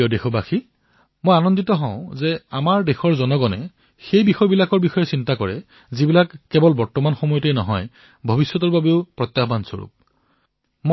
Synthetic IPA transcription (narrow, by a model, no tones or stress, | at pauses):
ɔdexɔbaxi | mojanɔnditɔɦɔ̃ʊ̃zɛamaɹdexɔɹzɔnɔɡɔnɛ̰ | xejbixɔjbilakɔɹbixɔjɛsintakɔɹɛ̰ | zibilakːɛbɔlbɔɹtɔmanxɔmɔjɔtejnɔ̰ɦɔj | bʱɔbisjɔtɔɹbabeʊpɹɔt̪jaxbansɔ̰ɹṵp̚ | m